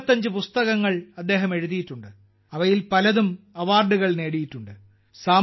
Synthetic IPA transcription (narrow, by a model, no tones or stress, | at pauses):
t̪ːɐɲd͡ʑɨpust̪ɐɣɐŋːɐɭɐd̪ːe̞ːɦɐme̞ɻuðijiʈːuɳɖɨ | ɐʋɐjilpɐlɐðum | ɐʋaːrɖuɣɐɭne̞ːɽijiʈːuɳɖɨ | saː